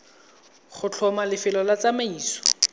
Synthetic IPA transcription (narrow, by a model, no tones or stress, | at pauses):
χʊt͡ɬʰɔmalɪfɪlɔlat͡sameiːsɔ̥